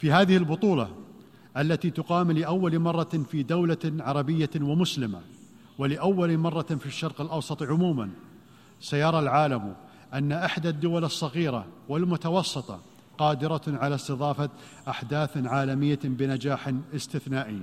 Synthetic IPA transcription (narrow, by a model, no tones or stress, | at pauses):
fiɦaːðɪhɪlbʊt̪ˤuːlɑ̰ | ʔalːat̪it̪ʊqɑːmlɪʔawːalmɑrˤːɑfid̪awlaʕɑɾˤɑbɪjːawɪmʊslɪma̰ | wɪlɪʔawːalmɑrˤːɑfiʃːɑɾˤqɪlʔɑwsˤɑt̪ˤʕʊmuːman | sajɑɾˤɑlʕaːlam | ʔanːaʔɪħd̪ad̪ːʊwalɨsˤːɑɣiːɾa̰wɪlmʊt̪ɑwɑsˤːɨt̪ˤɑ̰ | qɑːd̪ɪɾaʕalast̪ɨðˤɑːfa | ʔaħd̪aːθʕaːlamɪjːabɪnad͡ʒaːħnʔɪst̪ɪθnaːʔɪjː